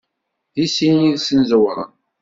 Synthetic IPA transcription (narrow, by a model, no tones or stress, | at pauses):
ðisiniðsənzəwɾˤə̰n